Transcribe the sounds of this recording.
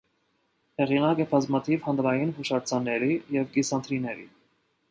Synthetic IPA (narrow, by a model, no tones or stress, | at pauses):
hɛʁinɑkɛbʰɑzmɑt̪ʰivhɑnd̪ɾɑjinhuʃɑɾt͡sʰɑnːɛɾijɛvɡisɑnt̪ʰɾinɛɾḭ